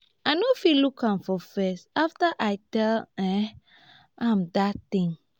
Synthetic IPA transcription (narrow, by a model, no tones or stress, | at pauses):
aɪnofilukʰãnfɔfɛstaftəʔaɪtɛlɛ̃ | ʔãmdattĩŋ